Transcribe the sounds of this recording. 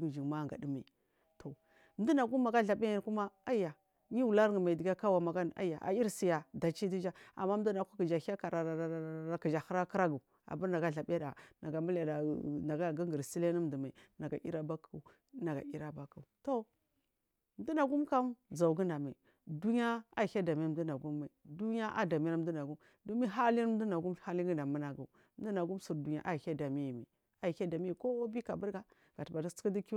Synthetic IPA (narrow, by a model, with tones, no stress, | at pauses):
i˦d͡ʒi˨ŋma˦˨ŋɡa̰˨di˦ma˨ | tʰo˨ | m̩˦di˦na˨ɡu˦mː˦a˨ɡa˦ɬa˨bi˦a˨ku˦ma˦a˦ja˨ | ɲi˦wu˨la˦ɾŋə˨ma˨i˨di˨ɡa˦ka˦wa˨ma˨ɡa˦n˨a̰˦ja̰˨ʔa̰˨i˦ɾsi˨ja˨da˨t͡ʃi˦di˦d͡ʒa˦a̰˨mːa˦du˦na˨ku˦ki˨d͡ʒa˨˦a˦ka˨ɾa˨ki˨d͡ʒa˨ha˦ɾa˦kə˦ɾa˦ɡu˨ | a̰˨ba˦ɾna˨ɡa˦ɮa˨bi˦a˦da˨na˨ɡa˨mu˦la˨da˨na˨ɡa˦ɡi˦ɡi˨ɾsi˦le˦nə˦m˨du˨ma˨i˨na˨ɡa̰˨ʔi˦ɾa˦ba˦ku˨˦˨ | na˨ɡa̰˨i˦ɾa˦ba˦ku˨to˦ | m˦du˦na˨ɡu˦mka˦m˦d͡za˨u˨ɡi˦na˨ma˨i˨ | du˦ni˦a˦a˦˨ha˦da˨mi˦i˨du˦na˨ɡu˦mːa˨i˨du˦n˦a˦ʔa̰˦da˨mi˦a˦m˦du˦na˨ɡu˦m | du˦mi˦ɦa˦li˦n˦m˦du˦na˨ɡu˦mha˦li˦ɡi˦na˨mu˦na˨ɡṵ˨m˦du˦na˨ɡu˦msu˨ɾdu˨ɲ˦a̰˦ʔa˦˨ha˦da˨mi˦ji˨ma̰˨ | a˦˨ha˦da˨mi˦i˨ko˦bi˦ka̰˨bu˦ɾɡa˨˦ | ɡa˨tba˨di˦skdi˦ki˦